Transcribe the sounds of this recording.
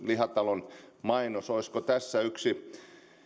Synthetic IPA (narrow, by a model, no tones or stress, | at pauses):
lihɑt̪ɑlonmɑinosoiskot̪æsːæyksi